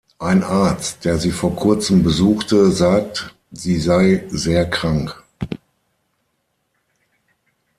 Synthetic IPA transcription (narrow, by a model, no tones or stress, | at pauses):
ʔaɪnʔaːɐt͡st̚d̥eːɐziːfoːɐkʰʊɐt͡səm̩bəzuːxtəzaːk̚t | z̥iːzaɪzeːɐkʁ̥aŋk